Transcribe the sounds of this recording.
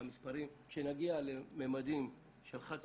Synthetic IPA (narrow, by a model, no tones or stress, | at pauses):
mispaɾimʃenaɡialememad̪im | ʃelχat͡s